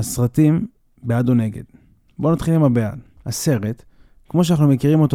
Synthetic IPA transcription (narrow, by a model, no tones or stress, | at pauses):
asʁatim | bead̪one̞ɡe̞̰d̪̥ | bo̞nat̪χilimabea̰d | hase̞ʁe̞t̪ | kmo̞ʃ̬anaχnume̞kiʁimo̞to